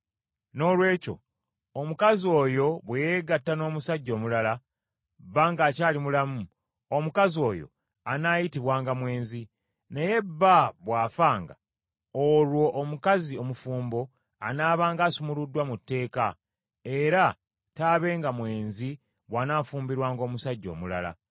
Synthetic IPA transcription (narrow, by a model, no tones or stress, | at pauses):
no̞ːlwe̞ːco̞̰ | omukazio̞ːjo̞βwejeɡatːano̞ːmusaɟːo̞ːmulala | bːaːŋɡaːcaːlimulamu | omukazio̞ːjo̞̰ | anaːjitiβwaːŋɡamwe̞ːnzi | ne̞je̞bːaβwaːfaːŋɡa̰ | olwo̞ʔːmukazio̞mufuːmbo̞ | anaːβaːŋɡaːsumuludːwamutːe̞ːka | e̞ɾa | taːβe̞ːŋɡamwe̞ːnzi | βwaːnaːfuːmbiɾwaːŋɡo̞ːmusaɟːo̞̰ːmula̰la̰